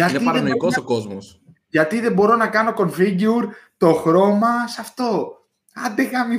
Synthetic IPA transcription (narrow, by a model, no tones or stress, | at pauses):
ɐtineiɐɾɐnoikosoko̞zmos | ʝɐt̪iðe̞bo̞ɾo̞nɐkɐno̞ko̞nfiɟiuɾt̪o̞xɾo̞mɐsɐft̪o̞ | ɐnd̪eɣɐmi